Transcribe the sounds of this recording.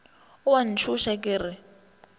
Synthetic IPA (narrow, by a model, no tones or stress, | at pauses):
ʊwan̩t͡ʃʰuʃakʼɪːɾɪ